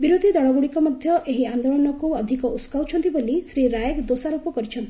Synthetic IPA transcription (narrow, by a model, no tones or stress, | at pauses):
biɾod̪ʱid̪ɔɭɔɡuɽikɔmɔd̪ʱjɔʔeɦiand̪olɔnɔkuɔd̪ʱikɔʔuskawt͡ʃʰɔnt̪ibolisɾiɾajekd̪osaɾupɔkɔɾit͡ʃʰɔnt̪i̥